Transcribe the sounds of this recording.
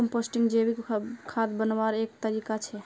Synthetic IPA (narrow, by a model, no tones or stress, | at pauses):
mposʈiŋɡd͡ʒebikkʰad̪bənbaɾek̚t̪əɾikat͡ʃʰɛ